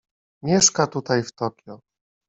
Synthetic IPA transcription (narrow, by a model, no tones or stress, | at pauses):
mʲjɛʂkat̪ut̪ajft̪ɔkʲjɔ